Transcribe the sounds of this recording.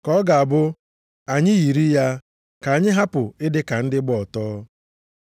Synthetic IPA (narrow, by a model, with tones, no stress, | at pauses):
kɔ˦ɡa˨a˨bʊ˦ | a˨ɲɪ˦ji˨ɾi˦ja˦ | ka˨ɲɪ˦ɦa˦pʊ˨ɪ˦dɪ˦ka˨n̩˦dɪ˦ɡ͡bɔ˦˨ɔ˨tɔː˦